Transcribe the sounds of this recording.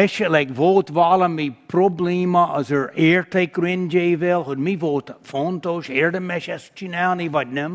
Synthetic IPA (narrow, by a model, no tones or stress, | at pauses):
ɛʃəlɛɪkvoːt̪vɑːləmipʰɹobliməəzəɹɛːɹt̪ʰeɪkɾɪnd͡ʒeɪvɪlˠɦʊd̚mivoːt̪font̪oːʃɛːɹdəmɛʃɛst͡ʃinaʊnivad̚nɛm